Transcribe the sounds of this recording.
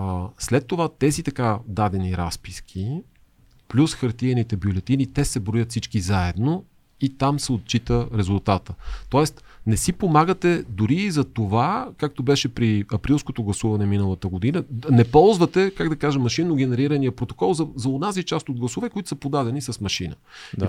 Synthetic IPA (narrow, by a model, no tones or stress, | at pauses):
slɛt̪ːovat̪ɛzit̪ɐkad̪ad̪ɛniɾa̰spisk̟ʲʰi | plʲusxɐɾt̪iɛnit̪ɛbjolɛt̪init̪ɛsɛbɾojət̪fsit͡ʃkizaɛd̪no | it̪amsɛot̪̚t͡ʃit̪əɾɛzulˠt̪at̪ət̪ɔɛst̪ | nɛsipomaɡət̪ɛd̪ʊɾiːzɐt̪ovakak̚t̪obɛʃɛpɾiɐpɾilˠskot̪oɡlˠɐsuvɐnɛminəlˠət̪əɡod̪inənɛpɔlˠzvət̪ɛkaɡd̪ɐkaʒɐmːɐʃinːoɡɛnɛɾiɾənijəpɾot̪o̥kɔlˠzɐzɐonazit͡ʃast̪od̪ɡlˠɐsovɛkoʊit̪ʊ̥sɐpod̪ad̪ɛnisɐsmɐʃinə̰